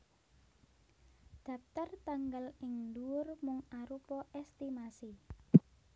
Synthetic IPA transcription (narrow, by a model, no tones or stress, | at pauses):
d̪̥ä̤p̚t̪art̪aŋɡalɪŋnduʊrmʊŋaɾupɔʔɛst̪imasi